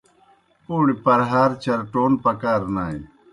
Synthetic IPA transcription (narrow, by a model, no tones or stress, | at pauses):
puːɽipɐɾɦaːɾt͡ɕɐɾʈoːnpɐkaːɾnaːḭ